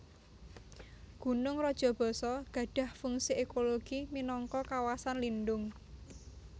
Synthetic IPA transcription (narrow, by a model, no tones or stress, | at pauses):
ɡ̥ṳnʊŋrɔd̥ʒ̥ɔ̤b̥ɔ̤sɔɡ̥ä̤ɖ̥ä̤hfʊŋsiʔekoloɡ̥iminɔŋkɔkawasanlinɖʊŋ